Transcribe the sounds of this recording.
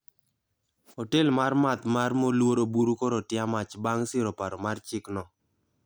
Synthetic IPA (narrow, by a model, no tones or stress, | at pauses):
hotelmarmat̪marmolwoɾobuɾukoɾotjamat͡ʃbaŋsɪɾopaɾɔmart͡ʃɪknɔ